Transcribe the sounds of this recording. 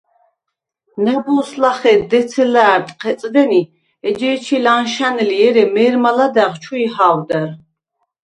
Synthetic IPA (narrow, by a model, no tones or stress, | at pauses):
nabuslaχɛd̪ɛt̪sʰɛlaːɾt̪ʼqʰɛt̪sʼd̪ɛni | ɛd͡ʒɛːt͡ʃʰilanʃanɛliɛɾɛmɛːɾmalad̪aʁt͡ʃʰuihaːwd̪aɾ